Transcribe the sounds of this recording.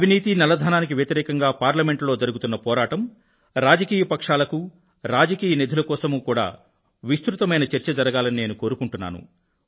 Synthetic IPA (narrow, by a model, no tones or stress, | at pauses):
ɐbʱiniːt̪inɐlɐd̪ʱaːnaːnik̬iʋjɐt̪iɾɛːkɐŋɡaːpaːɾlɐmeɳʈlo̞ːd͡ʒɐɾuɡut̪unːɐpɔːɾaːʈɐm | ɾaːd͡ʒɐkiːjɐpɐkʂaːlɐku | ɾaːd͡ʒɐkiːjɐnid̪ʱulɐkɔːsɐmuːkuːɽa̰ː | ʋist̪ɾut̪ɐmɐjnɐt͡ʃeɾt͡ʃɐd͡ʒɐɾɐɡaːlɐnine̞ːnuko̞ːɾukuɳʈunːa̰ːnṵ